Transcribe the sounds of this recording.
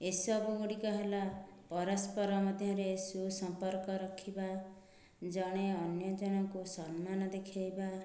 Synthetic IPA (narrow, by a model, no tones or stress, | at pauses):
esɔbuuɽikɔɦelapɔɾɔspɔɾɔmɔd̪ʱjɔɾesusɔmpɔɾkɔɾɔkʰiba | d͡ʒɔɽ̃eɔnjɔd͡ʒɔɽ̃ɔkusɔnmanɔd̪ekʰajba